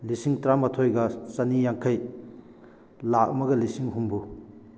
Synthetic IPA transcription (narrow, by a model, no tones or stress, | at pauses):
lisiŋtɾamɐtʰojɡɐsɐnijaŋkʰaj | lak̚ɐmɐɡɐlisiŋɦumbu